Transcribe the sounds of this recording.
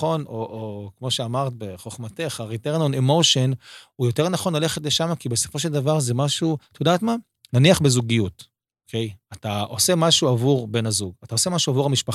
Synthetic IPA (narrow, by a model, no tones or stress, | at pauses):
o̞noʔokmo̞ʃe̞amaʁt̪̚beχo̞χmate̞χaʁiteʁnonemoʃonujo̞te̞ʁnaχo̞nlale̞χet̬le̞ʃamakibe̞so̞̥fo̞ʃ̬eld̪avaʁzemaʃut̪od̪at̪ma | naniaχbezuɡijut | okʰejataʔo̞se̞maʃuavuʁbe̞nazuɡatao̞se̞maʃuavuʁamiʃpa